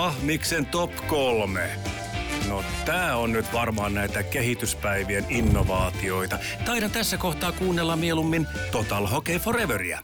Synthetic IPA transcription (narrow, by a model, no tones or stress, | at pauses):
ɑhmiksent̪opkolme | not̪æːonnyt̪ʋɑrmɑːnnæit̪ækehit̪yspæiʋieninːoʋɑːt̪ioit̪ɑ | t̪ɑiɾɑnt̪æsːækoht̪ɑːkuːnːelːɑmielumːint̪ot̪ɑlhokeiforeʋøriæ̰